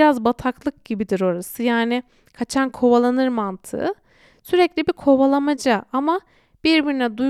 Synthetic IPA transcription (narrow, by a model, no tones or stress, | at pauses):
ɾazbat̪ʰaklˠɯk̚ɟibid̪iɾo̞ɾasɯjaːnɪ | kʰat͡ʃʰankʰo̞βalˠanɯɾmant̪ʰɯ̰ɯ | syɾɛclʲibikʰo̞βalˠamad͡ʒaama | b̥iɾbiɾinɛd̪u